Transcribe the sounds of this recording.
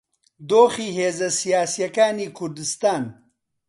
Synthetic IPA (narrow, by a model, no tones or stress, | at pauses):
d̪oːxiːɦeːzɐsijaːsijɐkaːniːkʰʊɾd̪ɨst̪aːn